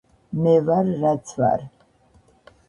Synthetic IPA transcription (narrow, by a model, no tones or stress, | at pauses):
mevarːat͡sʰva̰r